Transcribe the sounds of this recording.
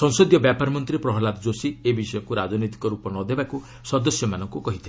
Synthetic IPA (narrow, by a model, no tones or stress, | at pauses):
sɔŋsod̪jɔbjapaɾɔmɔnt̪ɾipɾɔɦɔlad̪d͡ʒosiebisɔjɔkuɾad͡ʒɔnit̪i̥kɔɾupɔnɔd̪ebaku | sɔd̪ɔsjɔmanɔŋkukɔɦit̪ʰi